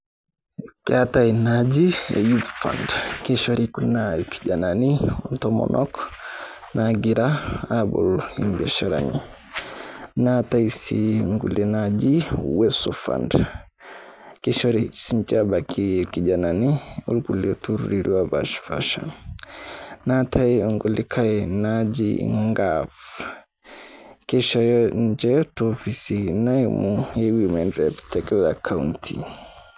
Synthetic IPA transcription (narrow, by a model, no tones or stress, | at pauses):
katainad͡ʒiɛ̰jutfa̰ndkɛʃoɾikunːaki̥d͡ʒananiɔntɔmɔ̰nʔɔk | naɡiɾaabɔ̰limbɛʃaɾa̰ɲḭ | nataisiŋɡṵlɛnad͡ʒiwɛsɔfa̰nd | kiʃɔɾisint͡ʃabakʰikid͡ʒananiṵlkulɛtuɾuɾiɾiwaba̰ʃfa̰ʃa̰ | natʰaiɔŋɡulikʰaɛnad͡ʒḭŋɡav | kɛʃajɔɲd͡ʒɛtɔfisinaimuɛwimɛndɾɛptɛklakʰauntʰḭ